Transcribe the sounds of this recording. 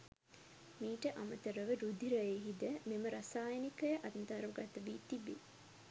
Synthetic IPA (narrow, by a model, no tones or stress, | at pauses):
miːʈəʔamət̪əɾəʋəɾud̪ʱiɾɐjeɦid̪əmeməɾasaːjənikəjəʔad̪nt̪aɾʋɐɡat̪əʋit̪ibḛ